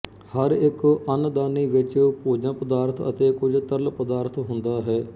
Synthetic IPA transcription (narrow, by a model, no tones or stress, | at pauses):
həɾɪkənd̪aːniːʋɪt͡ʃpoːd͡ʒãːpəd̪aːɾt̪ʰə̰t̪eːkʊd͡ʒt̪əɾlpəd̪aːɾt̪ʰɦʊnd̪aːɦɛː